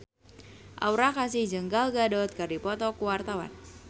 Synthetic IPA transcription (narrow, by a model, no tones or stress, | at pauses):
ʔa̰uɾakasɪhd͡ʒəŋɡalɡadɔt̪̚kərdipɔt̪ɔkuwart̪awa̰n